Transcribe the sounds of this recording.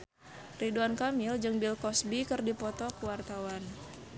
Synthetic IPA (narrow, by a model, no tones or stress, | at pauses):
riduankamɪld͡ʒɨŋbilkɔsbikɨrdipɔt̪ɔkuwart̪awan